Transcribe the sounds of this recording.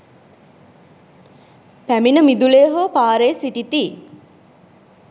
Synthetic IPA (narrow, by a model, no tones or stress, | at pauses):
pæminəmid̪uleːɦopaːɾesiʈit̪i